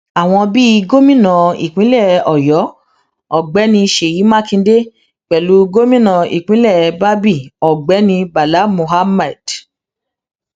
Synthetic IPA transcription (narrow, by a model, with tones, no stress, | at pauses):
a˨w̃ɔ̃˧bi˦˧ɡo˦mĩ˦nã˨ḭ˨k͡pĩ˨˦lɛ˦˨ɔ˨jɔ˨˦ | ɔ˨ɡ͡bɛ˨˦nĩ˧ʃe˨ji˨˦mã˦kĩ˧˦de˦ | k͡pɛ˨lu˨˦ɡo˦mĩ˦nã˧ḭ˨k͡pĩ˨˦lɛ˦˨˧ba˦bi˦˨ɔ˨ɡ͡bɛ˨˦nĩ˧ba˨la˨˦mo˨ɦa˦mɛ˨d̥